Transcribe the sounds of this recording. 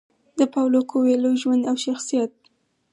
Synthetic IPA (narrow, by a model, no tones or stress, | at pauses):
d̪əpawlokʰoweloʒwand̪awʃaxsijat̪̚